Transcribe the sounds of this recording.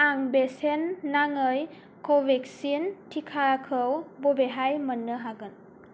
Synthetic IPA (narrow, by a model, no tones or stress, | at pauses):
aŋbesenːaŋɯj | kʰɔwbɛksintʰikʰaakʰɯwbɔbeɦajmənːɯɦaɡɯn